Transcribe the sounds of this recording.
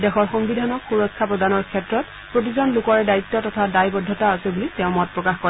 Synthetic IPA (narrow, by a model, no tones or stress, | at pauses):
dɛxɔɹxɔŋbidʱanɔxuɹɔkʰːapɹɔdanɔɹkʰɛtɹɔt̚ | pɹot̬izɔnlukɔɹɛdait̪ːɔtɔtʰadajbɔdʱːɔtaasɛbulitɛʊ̃mɔt̚pɹɔkaxkɔ